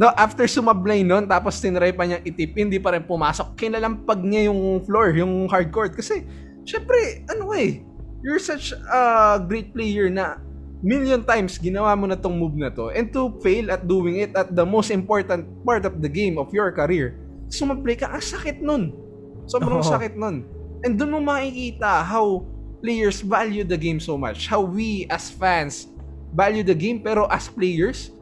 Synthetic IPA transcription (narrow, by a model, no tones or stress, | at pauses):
noʔaft̪ɛɹsʊmɐblajno̞nt̪aːpost̪ɪnɐɾajpɐɲɐŋɪt̪ɪp̚hɪnd̪ipɐɾɛnpʊmaːso̞k̚kɪlalɐmpɐɡ̚ɲɐjʊŋfloɹjʊŋhaɹd̪̚koɹd̪̚kɐsɛ | ʃɛmpɾɛʔɛnowej | jʊɹsɐt͡ʃɐɡɾejt̪̚plejɛɹnɐ | miljont̪ajmsɡɪnɐwaːmonɐt̪ʊŋmub̚nɐt̪o̞ʔɛ̃nd̪̚t̪ʊfejlɐt̪̚d̪uːwɪŋɪt̪̚ɐt̪̚d̪ɐmowst̪ɪ̃mpoɹt̪ɐnt̪̚paɹt̪ɔfd̪ɐɡẽjmɔfjɔɹkɐɾiɹ | sʊmɐplejkɐʔɐŋsɐkɪt̪̚non | sobɾɐŋsɐkɪt̪̚non | ʔɛnd̪ʊnmomɐʔikiːt̪ɐɦawplejɛɹsvaljud̪ɐɡejmsowma̰t͡ʃhawwiʔɐsfãns | valjud̪ɐɡẽjmpɛːɾo̞ʔɐsplejɛɹs